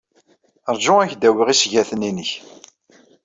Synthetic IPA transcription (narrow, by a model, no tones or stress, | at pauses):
əɾˤd͡ʒʊæçd̪æwiʁisʝæθəninəç